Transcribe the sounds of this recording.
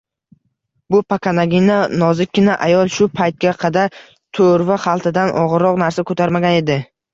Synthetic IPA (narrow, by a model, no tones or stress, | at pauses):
bʊpakanaɡʲinanɒzɪkʲːɪnaʔajɒlˠʃʊpʰajt̪̚ɡʲaqʰɑd̪aɾ | t̪ʰoɾvaχɑlˠt̪ʰɪd̪anʔɒ̰ʁɨɾɒqnaɾsakʰɵt̪ʰaɾmaɡʲane̞d̪ɪ